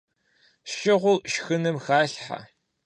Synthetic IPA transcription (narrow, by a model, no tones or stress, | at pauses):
ʃɪʁʷʊʃxɨnɨmxaːɬħa̰